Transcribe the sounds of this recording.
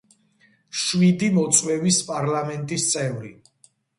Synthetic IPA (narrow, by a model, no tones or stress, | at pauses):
ʃwid̪imɔt̪sʼwɛvispʼaɾlamɛnt̪ʼist̪sʼɛvɾi